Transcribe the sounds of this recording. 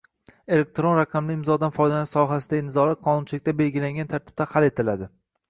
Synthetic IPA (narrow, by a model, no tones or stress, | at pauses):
e̞lek̚ʲt̪ɾonɾaqʰɑmlɪɪmzɒd̪anfɒjd̪anɪʃsɒɦas̬ɪd̪anɪzɒlat̪̚qʰɒnʊnt͡ʃʰɪlɪk̚ʲt̪abe̞lɡʲɪlaŋɡʲant̪ʰaɾt̪ʰɪ̥b̥̚t̪ahale̞t̪ʰɪlad̪ɪ